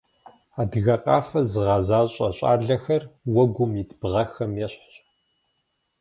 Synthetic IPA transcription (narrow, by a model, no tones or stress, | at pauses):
aːdɣɐqɑːfɐzɨʁɑzaːɕʼɐɕʼa̰ːɮɐxɐrwɔɡʷʊmjidb̥ʁɐxɐmjɛɕħ